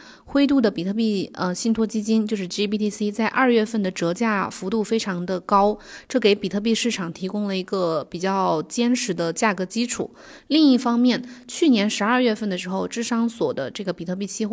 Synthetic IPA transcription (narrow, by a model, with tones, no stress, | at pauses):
xwe˥ɪt̪u˥˩d̪ə˩pi˨˩t̪ʰɤ˥˧˩pi˥˩ə˧ɕi˥˩nt̪ʰwɔ˥t͡ɕi˥t͡ɕi˥nt͡ɕjo˥˧ʊʂɻ̩˥˩ʈ͡ʂi˥pi˥t̪ʰi˥si˥t͡sa˥˧ɪʔɐ˞˥˧ɥɛ˥˧fə˥˩nd̪ə˩ʈ͡ʂɤ˧˥t͡ɕja˥˩fu˧˥t̪u˥˩fe˥ɪʈ͡ʂʰɑ˧˥ŋd̪ə˧kɑ˥ʊʈ͡ʂɤ˥˩ke˧˥ɪpi˨˩t̪ʰɤ˥˧p̬i˥˧ʂɻ̩˥˩ʈ͡ʂʰɑ˨˩ŋt̪ʰi˧˥kʊ˥ŋlə˨i˧˥ɡə˧pi˨˩t͡ɕjɑ˥˩ʊt͡ɕjɛ˥nʂɻ̩˧˥d̪ə˧t͡ɕja˥˩kɤ˧˥t͡ɕi˥ʈ͡ʂʰṵ˨˩˦li˥˧ŋi˥˩fɑ˥ŋmjɛ˥˩nt͡ɕʰy˥˩njɛ˧˥nʂɻ̩˧˥ɐ˞˥˧ɥɛ˥˧fə˥˩nd̪ə˩ʂɻ̩˧˥xo˥˧ʊʈ͡ʂɻ̩˥ʂɑ˥ŋswɔ˨˩d̪ə̰˦ʈ͡ʂɤ˥˩ɡə˩pi˨˩t̪ʰɤ˥˧p̬i˥˩t͡ɕʰi˥x